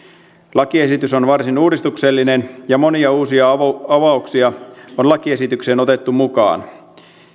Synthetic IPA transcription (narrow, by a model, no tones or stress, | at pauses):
lɑkie̞sit̪yso̞nʋɑrsinuːdist̪ukse̞lːine̞njɑmo̞niɑuːsiɑɑʋɑˑuksiɑonlɑkie̞sit̪ykseːno̞t̪e̞t̪ːumukɑ̰ːn